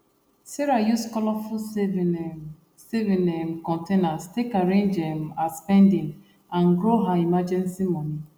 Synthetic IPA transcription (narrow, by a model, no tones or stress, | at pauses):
siɾajuskɔlɔfu | sevinem̩kɔ̃ntenastekaɾẽnd͡ʒem̩aspɛndɪŋ | an̩ɡɾoɦaimad͡ʒɛnsimɔni